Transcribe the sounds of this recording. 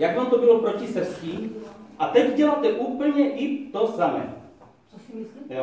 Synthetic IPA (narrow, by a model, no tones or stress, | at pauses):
jaɡʋant̪ɔbilɔpɾocisəskiːat̪ɛɟɟɛlat̪ɛʔuːpəl̩ɲɛʔit̪osamɛ̰ː | ɛ